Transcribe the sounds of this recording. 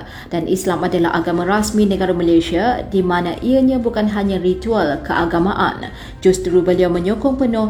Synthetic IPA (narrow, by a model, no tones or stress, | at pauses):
d̥anʔislamadala̰ɦa̰ɡamãɾasmĩnə̃ɡaɾaməlaʃiadimãnãʔiəɲãbukanɦaɲãrit̪ualkəʔaɡamaʔa̰n | d͡ʒust̪ɾubəliawmə̃ɲokɔŋpənʊ